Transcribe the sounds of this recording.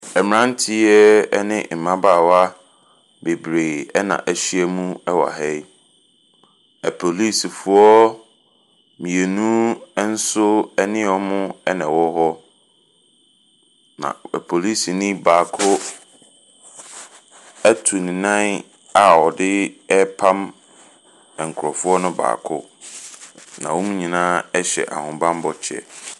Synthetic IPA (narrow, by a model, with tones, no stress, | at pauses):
ɛ˨mɪ˨ã˦n˦tʰɪ˦ɛ˦nɪ̃˦m̩˨mã˦baː˦˨wa˦ | be˨bɾe˨ɛ˦nã̰˨ʔæ˨ɕi˦ɛ˦˨mũ˦ɛ˦wa̰˨ɦɛ˦j | ɛ˨pʰo˨li˦sfʊ˨˦ɔ˦ | mĩ˨e˨nũ˦n̩˦sʊ˦ɛ˦nɪ̃˦ɔ˦mʊ̃˦ɛ˦nɛ̃˨wɔ˦ɦɔ˦ | nã̰˨pʰo˨li˦si˨nĩ˦baː˨kʰʊ˦ | æ˦tʰu˨nĩ˨nã˦ | a˨ɔ˨dɪ˦ɛ˦pʰã˦m | ɛ˨ŋ̩˨kʰʊ˨ɾɔ˨fʊ˦ɔ˦nʊ̃˦ba̰ː˨kʰʊ̰˦ | nã˨wɔ˦mũ˦ɲĩ˨nãː˦ɛ˦ɕɛ̰˨ʔa̰˨hʊ̃˨bã˦m˦bɔ˦t͡ɕʰɛ̰˨